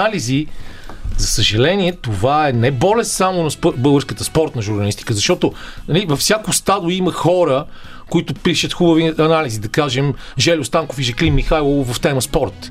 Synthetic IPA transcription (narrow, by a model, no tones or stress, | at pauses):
alizi | zɐsəʒɛlɛniɛt̪ovaɛnɛbɔlɛst̪samonɐspbɤlˠɡəɾskət̪əspɔɾt̪nɐʒuɾnɐlist̪i̥kəzɐʃt̪ɔt̪onɐlivɐfsʲjakʊst̪ad̪ʊiməxɔɾə | koit̪ʊpiʃət̪xubəviɐnalizid̪ɐkaʒɛmʒɛlʲʊst̪aŋkofiʒɐklimːixajlˠovɐft̪ɛməspɔɾt̪